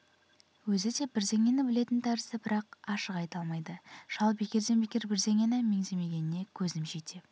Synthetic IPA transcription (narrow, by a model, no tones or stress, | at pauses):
wɵzɪd̪e̞b̥ɪɾze̞ŋʲe̞nɪbɪle̞t̪ɪnt̪ʰæɾɪsɪbɪɾɑq̚ɑʃəqɑjt̪ɑlˠmɑjd̪əʒ̥ɑlˠbe̞kʲe̞ɾd̪e̞nbekʲe̞ɾbɪɾze̞ŋe̞nɪme̞ŋze̞me̞ɡʲe̞nɪne̞kʲʰɵznɪmʒet̪e̞